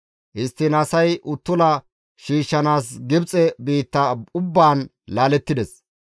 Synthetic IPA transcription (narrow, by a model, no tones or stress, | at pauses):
ʔɪst̪ːɪnɐsɐjʔʊt̪ːʊlɐ | ʃiːʃːɐnaːsɡɪbt͡sʼɛbiːt̪ːɐʊbːaːn | laːlɛt̪ːɪd̪ɛs